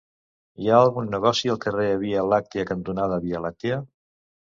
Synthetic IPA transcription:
iaəlˠɣunːəɣ̞ɔsiəlˠkəreəβiəlak̚t̪iəkənt̪unaðəβiəlat̪eə

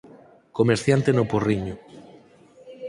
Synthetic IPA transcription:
komeɾθjant̪enoporiɲʊ

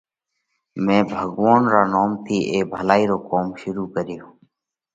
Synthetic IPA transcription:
mẽːbʱəɡʋaːnɾaːnoːmt̪ʰiːʔeːbʱəlaːiːɾoːkoːmʃʊɾuːkəɾɪjoː

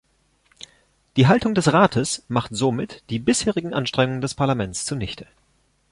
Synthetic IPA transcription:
d̥iːɦaltʊŋdɛsʁaːtʰəsmaχtz̥omɪtd̥iːbɪsheːʁɪɡŋ̩ʔanʃtʁ̥ɛŋʊŋəndɛspʰaɐlamɛnt͡st͡suːɐnɪçtʰə̥

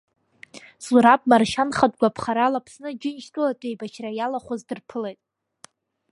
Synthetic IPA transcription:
zuɾapʼmarʃanχadɡʷapʰχaɾalapʰsnɨd͡ʒɪnʃtʰʼulatʼejbat͡ʃʰrajalaχʷazdɨrpʰɨlejtʼ

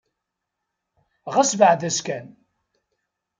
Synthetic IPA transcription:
ʁæsvəʕðæskæn

